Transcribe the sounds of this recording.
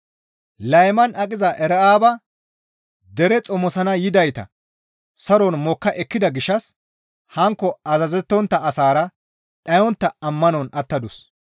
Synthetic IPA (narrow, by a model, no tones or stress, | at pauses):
lɐjmɐnʔɐkʼɪzɐʔɛɾɛʔaːbɐ | d̪ɛɾɛt͡sʼɔmɔsɐnɐjɪd̪ɐjt̪ɐ̰ | sɐɾɔnmɔkːɐʔɛkːɪd̪ɐɡɪʃːɐs | hɐŋkːɔɐzɐzɛt̪ːɔnt̪ːɐːsaːɾɐ | ᶑɐjɔnt̪ːɐɐmːɐnɔnɐt̪ːɐd̪ʊs